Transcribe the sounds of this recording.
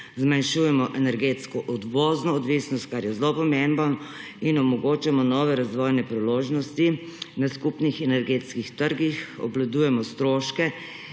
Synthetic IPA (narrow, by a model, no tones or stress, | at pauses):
zmanʃuːjɛmɔʔɛnɛɾɡet̪skɔʔɔd̪ʋoːznɔːd̪ʋisnɔst̪̚kaɾjɛzlopɔmemban | inɔmɔɡoːt͡ʃamɔnɔːʋɛɾazʋɔjnɛpɾiloʒnɔst̪i | naskupnixɛnɛɾɡeːt̪skixt̪əɾɡixɔ̰blad̪uːjɛmɔst̪ɾoːʃkɛ